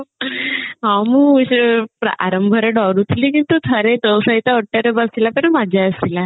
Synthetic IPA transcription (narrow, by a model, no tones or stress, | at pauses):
ɦãmuːɕpɾa̰a̰ɾəmbʱəɾeɖɔɾut̪ʰlikint̪ut̪ʰəɾet̪əwsəit̪aəʈːəɾebəsilapəɽmad͡ʑʱaəsila